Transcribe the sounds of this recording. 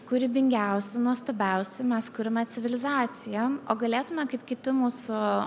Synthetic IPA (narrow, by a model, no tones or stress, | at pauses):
kʊɾʲɪbʲɪŋʲɡʲɛˑʊsʲɛnuɔst̪ɐːbʲɛˑʊsʲɛmʲɛskʊɾʲɪmʲɛt̪sʲɪʋʲɪlʲɪzɑːt̪sʲɪjɛoːɡɐlʲeːt̪ʊmʲɛkɐɪpkʲɪt̪ʲɪmuːsʊ